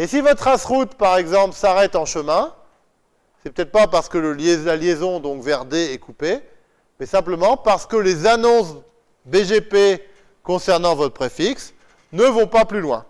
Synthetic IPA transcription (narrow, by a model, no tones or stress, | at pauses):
esivɔt̪χasχut̪paʁɛɡzɑ̃plsaʁɛt̪ɑ̃ʃəmɛ̃ | sɛpø̥t̪ɛt̪χpapaʁsə̥kələljelaljezɔ̃d̪ɔ̃kvɛʁd̪eɛkupe | mɛsɛ̃pləmɑ̃paʁsə̥kəlezanɔ̃s | beʒepe | kɔ̃sɛʁnɑ̃vɔt̪χpχefiks | nəvɔ̃paplylwɛ̰̃